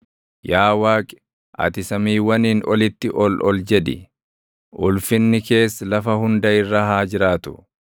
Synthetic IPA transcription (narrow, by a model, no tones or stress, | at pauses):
jaːwaːkʼɪ̥ | ʔɐ̰t̪ɪsɐmiːwɐniːnɔlɪt̪ːɪʔɔlʔɔld͡ʒɛᶑɪ̰ | ʔʊlfɪnːɪke̞ːsːlɐfɐhʊnd̪ɐɪrːahaːd͡ʒɪɾaːt̪ʊ̥̰